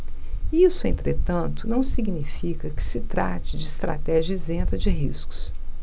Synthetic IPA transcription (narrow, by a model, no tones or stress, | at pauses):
isʊẽnt̪ɾet̪ɐ̃nt̪ʊnɐ̃w̃siɡnifikɐkɪ̥sɪt̪ɾa̰t͡ʃɪd͡ʒɪːst̪ɾa̰t̪ɛʒɐizẽnt̪ɐd͡ʒɪɦiskʊ̥s